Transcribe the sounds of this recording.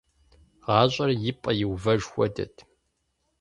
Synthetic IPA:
ʁɑːɕʷʼɐrjɪpʼɐjɪwvɐʒxʷɔdɐ̰tʰ

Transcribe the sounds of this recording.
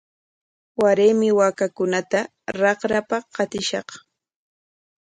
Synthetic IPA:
waɾeːmɪwaːkakʊnat̪a | ɾɑqɾapaqɑt̪ɪʃɑq

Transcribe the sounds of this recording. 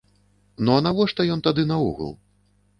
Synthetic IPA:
nɔɐnavɔʂt̪ɐjɔnt̪ad̪ɨnaṵɣə̰lˠ

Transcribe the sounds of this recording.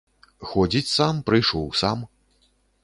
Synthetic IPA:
xɔd͡zʲit͡sʲsampɾɨjʂɔwsa̰m

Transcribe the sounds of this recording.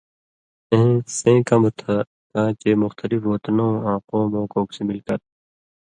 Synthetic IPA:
ẽsẽːkɐmut̪ʰɐ | kãːt͡ɕeːmʊxt̪ɐlifoːt̪nõãːqõːmõːkoːksemilkɐɾ

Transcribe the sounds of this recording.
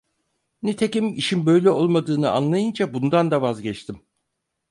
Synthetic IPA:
nit̪ʰecimiʃinbø̞jlʲɛo̞lˠmad̪ɯːnɯa̰nlˠajɯnd͡ʒabund̪and̪avazɟɛt͡ʃt̪ʰim

